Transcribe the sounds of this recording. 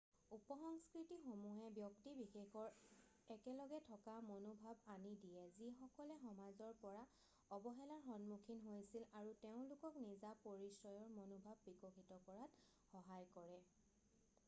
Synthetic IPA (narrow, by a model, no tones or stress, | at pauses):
upɔxɔŋskɹitixomuɦɛbjɔktibixexɔɹ | ɛkɛlɔɡɛtʰɔkamonobʱabanidijɛzixɔkɔlɛxɔmazɔɹpɔɹa | ɔbɔɦɛlaɹxɔnmukʰinɦojsilaɹuteʊ̃lʊkɔknizapoɹisɔjɔɹmonobʱabːikoxitɔkɔɹat | xɔɦajkɔɹɛ